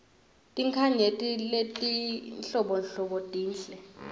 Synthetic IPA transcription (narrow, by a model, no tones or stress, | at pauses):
tʼiŋkʰaɲetʼiletʼinɬɔɓɔnɬɔɓɔtʼiːnɬɛ